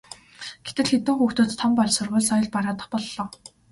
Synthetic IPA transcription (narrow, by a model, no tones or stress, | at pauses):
ɡ̥et̪ɘ̆ɮxet̪ɘ̆ŋxuːxt̪oːt̪ʰːɔmpaɮsʊrʁʊːɮsɔjɞ̆ɮpaɾaːt̪ə̥̆χpɔɮːɔː